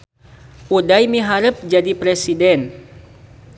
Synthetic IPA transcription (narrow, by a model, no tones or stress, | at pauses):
ʔudajmiɦaɾəp̚d͡ʒadipɾɛsidɛn